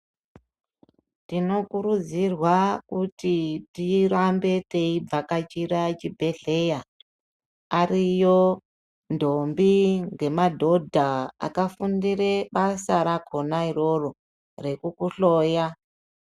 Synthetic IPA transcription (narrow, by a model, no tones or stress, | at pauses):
tino̞kuɾud͡zirwakutitirambe̞te̞ib͡vakat͡ʃiɾat͡ʃibʱe̞ɮe̞ja | arijo̞ | ndo̞mbiŋɡe̞madʱo̞dʱaa̰kafundire̞ɓasaɾakʰo̞nairo̞ro | re̞kukuɬoːja